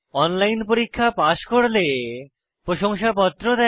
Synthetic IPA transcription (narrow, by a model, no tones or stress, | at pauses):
ɔnlajnpoɾikʰːapaʃkoɽle | pɾoʃoŋʃapɔt̪ːɾod̪ɛ